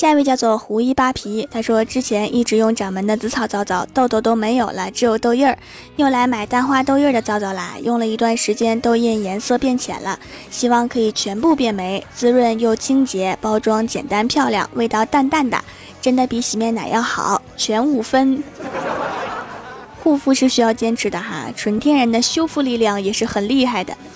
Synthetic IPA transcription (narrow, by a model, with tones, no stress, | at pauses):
ɕja˥˧we˥˧t͡ɕjɑ˥˧ʊt͡swɔ˥˩xu˧˥i˥pa˥pʰi˧˥t̪ʰa˥ʂwɔ˥ʈ͡ʂɻ̩˥t͡ɕʰjɛ˧˥nʔi˥˩ʈ͡ʂɻ̩˧˥jʊ˥˩ŋʈ͡ʂɑ˨˩ŋmə˧˥nd̪ə˧t͡sɹ̩˧˥t͡sʰɑ˨˩ʊt͡sɑ˥˩ʊt͡sɑ˥˩ʊt̪o˥˩ʊt̪o˥˩ʊt̪o˥ʊme˧˥ɪjo˨˩ʊlə˦ʈ͡ʂɻ̩˧˥jo˨˩ʊt̪o˥˧ʊjə˥˩ | jo˥˩ʊla˧˥ɪma˨˩ɪt̪a˥˧nxwa˥t̪o˥˧ʊjə˥˩d̪ə˩t͡sɑ˥ʊt͡sɑ˥˩ʊla̰˧˥ɪjʊ˥˩ŋlə˩i˧˥t̪wa˥˩nʂɻ̩˧˥t͡ɕjɛ˥nt̪o˥ʊi˥˩njɛ˧˥nsɤ˥˧pjɛ˥˩nt͡ɕʰjɛ̰˨˩nlə̰˦ | ɕi˥wɑ˥˩ŋkʰɤ˧˥i˨˩t͡ɕʰɥɛ˧˥npu˥˧pjɛ˥˩nme˧˥ɪt͡sɹ̩˥ɻwə˥˧njo˥˩ʊt͡ɕʰi˥ŋt͡ɕjɛ˧˥pɑ˥ʊʈ͡ʂwɑ˥ŋt͡ɕjɛ̰˨˩nt̪a˥npʰjɑ˥˧ʊljɑ̰˥˩ŋwe˥˧ɪt̪ɑ˥˧ʊt̪a˥˧nt̪a˥˩nd̪a̰˨˩ | ʈ͡ʂə˥nd̪ə˨pi˧˥ɕi˧˥mjɛ˥˩nna̰˨˩jɑ˥˩ʊxɑ̰˨˩˦ʊ | t͡ɕʰɥɛ˧˥nu˨˩fə˥n | xu˥˧fu˥˧ʂɻ̩˥˩ɕy˥jɑ˥˩ʊt͡ɕjɛ˥nʈ͡ʂʰɻ̩˧˥d̪ə˧xa̰˥˧ʈ͡ʂʰwə˧˥nt̪ʰjɛ˥nɻə˧˥nd̪ə˧ɕjo˥ʊfu˥˧li˥˧ljɑ˥˩ŋjɛ˨˩ʂɻ̩˥˩xə˨˩nli˥˧xa˥˩ɪd̪ə̰˩